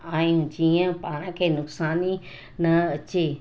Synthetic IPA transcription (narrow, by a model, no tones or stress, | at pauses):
aːjũd͡ʑiːə̃paːɽ̃ãkʰeːnʊksaːni | nɐɐt͡ɕe